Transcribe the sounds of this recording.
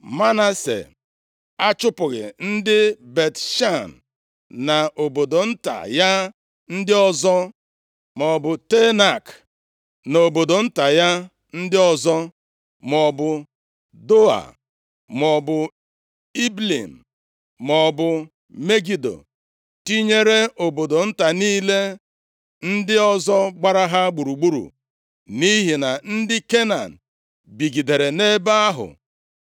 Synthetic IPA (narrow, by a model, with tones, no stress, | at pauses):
ma˦na˦sḛ˨ | a˦t͡ʃʊ˦pʊ˨ɣɪ̰˨n̩˦dɪ˦be˨tʃa˦˨n̩˨ | na˨ʔo˨bo˨do˨n̩˦ta̰˨ja˦ | n̩˦dɪ˦ɔ˦zɔ˦ | mɔ˨bʊ˨te˦na˨k | no˨bo˨do˨n̩˦ta˨ja˦ | n̩˦dɪ˦ɔ˦zɔ˦ | mɔ˨bʊ˨ | do˦a̰˨ | mɔ˨bʊ˨ | i˦blḭ˨m̩˨ | mɔ˨bʊ˨ | me˦ɡi˦do̰˨ | ti˦ɲe˦ɾe˦ʔo˨bo˨do˨n̩˦ta˨niː˦le˦ | n̩˦dɪ˦ɔ˦zɔ˦ɡ͡ba˦ɾa˦ɦa˦ɡ͡bu˨ɾu˨ɡ͡bu˦ɾṵ˨ | ni˦ɦi˨na˨n̩˦dɪ˦ke˦na˨n̩˨ | bi˨ɡi˨de˨ɾe˨ne˦ba˦a˦ɦʊ̰˨